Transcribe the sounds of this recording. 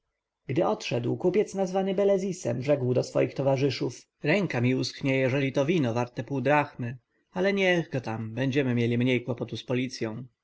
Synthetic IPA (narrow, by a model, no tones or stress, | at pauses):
ɡd̪ɘɔt̪ʂɛd̪wkupʲjɛt̪snazvanɘbɛlɛzʲisɛ̰mʐɛɡwd̪ɔsfɔ̰jixt̪ɔvaʐɘʂuf | ɾɛŋkamʲiuskɲɛjɛʐɛlʲit̪ɔvʲinɔvaɾt̪ɛpuːd̪ɾaxmɘ | alɛɲɛɣɡɔt̪ambɛɲd͡ʑɛmɘmʲjelʲimɲejkwɔpɔt̪uspɔlʲit̪sʲjɔ̃w̃